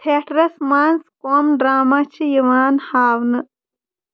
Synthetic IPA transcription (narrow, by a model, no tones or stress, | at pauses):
t̪ʰeːʈɾɐsmaːnskoːmɖɾaːmat͡ʃʰijɐʋaːnhaːwnɨ